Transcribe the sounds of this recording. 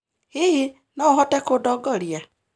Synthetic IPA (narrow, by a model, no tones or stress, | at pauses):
iɦi | nɔɦɔtekodɔɡɔɾja